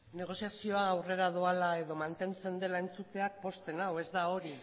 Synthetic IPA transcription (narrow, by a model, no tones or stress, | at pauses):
ne̞ɣ̞o̞siasio̞aːwre̞ɾaðoalae̞ðo̞mant̪e̞nt͡se̞nd̪e̞laent͡sut̪e̞ak̚po̞st̪e̞nawe̞zd̪ao̞ɾi